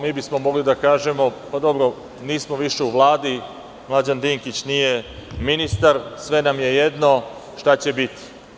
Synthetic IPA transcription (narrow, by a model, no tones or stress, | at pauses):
miːbismo̞mo̞ɡlid̪akaːʒemo̞pad̪o̞bɾo | niːsmoʋiʃe̞uʋlˠaːd̪i | mlˠad͡ʑand̪iŋkit͡ɕnije̞minist̪aɾsʋe̞namje̞je̞d̪no̞ | ʃt̪at͡ɕe̞bit̪i̥